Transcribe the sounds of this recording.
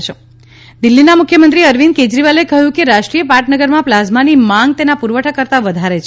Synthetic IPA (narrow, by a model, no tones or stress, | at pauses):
t͡ʃʰe | d̪ilːinamʊkʰjəmənt̪ɾiəɾʋinked͡ʒɾiʋalekəɦjũkeɾaʃʈɾijəpaʈnəɡəɾmãplazmanimãŋɡ̚t̪enapuɾʋəʈʰakəɾt̪aʋəd̪ʱaɾet͡ʃʰ